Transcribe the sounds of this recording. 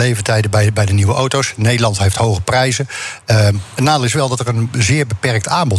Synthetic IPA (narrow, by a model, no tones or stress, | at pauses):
lejvətɛjdəbɛjbɛjdəniʋəʔowtowsnejdəlˠɑntɦejftɦowɣəprɛjzəəətnaːdəlˠɪsʋɛlˠdɔtərənzɪːɹbəpɛrk̚tʰaːmbɔt